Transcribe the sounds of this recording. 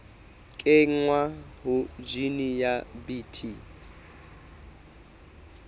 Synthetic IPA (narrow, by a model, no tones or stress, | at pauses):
kʼɪŋ̩ŋwaɦʊd͡ʒinijabitʰi